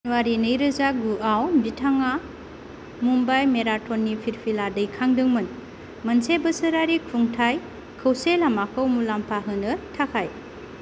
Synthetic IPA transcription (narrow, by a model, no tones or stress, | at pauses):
nwaɾinɯjɾɯzaɡuawbitʰaŋa | mumbajmeɾatʰɔnːipʰiɾpʰiladɯjkʰaŋdɯŋmɯn | mɐnsebəsɯɾaɾikʰuŋtʰaj | kʰəwselamakʰɯwmulampʰaɦɯnɯtʰakʰaj